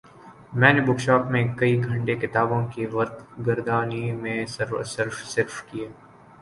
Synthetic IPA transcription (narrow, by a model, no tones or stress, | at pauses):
mɛ̃ːnebʊkʃaːpmẽkɐiɡʱɐ̃ɳʈekɪt̪aːbõkiʋɐɾt̪ɡɐɾd̪aːnimẽsɐɾə̰səɾfsɪɾfkijeː